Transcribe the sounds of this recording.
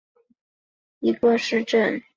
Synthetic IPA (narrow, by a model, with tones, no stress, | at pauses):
i˧˥kə˥˧ʂɻ̩˥˧ʈ͡ʂə˥˩n